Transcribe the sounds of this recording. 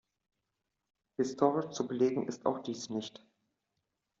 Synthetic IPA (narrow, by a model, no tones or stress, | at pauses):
hɪstʰoːʁɪʃt͡subəleːɡŋ̩ʔɪsta̰ʊxd̥iːsnɪçt